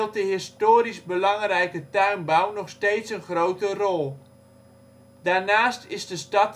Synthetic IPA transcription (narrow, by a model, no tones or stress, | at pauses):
lˠt̚dəɦɪstoːɾizbəlɑŋrɛjkətœɥnbawnɔχstejtsənχrowtərɔlˠ | daːɹnaːstɪzdəstɑt